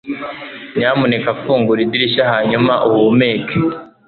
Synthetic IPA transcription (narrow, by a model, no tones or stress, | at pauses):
ɲamunekafuːŋɡuɾidiɾiʃaɦaːɲumaʔuwumeːke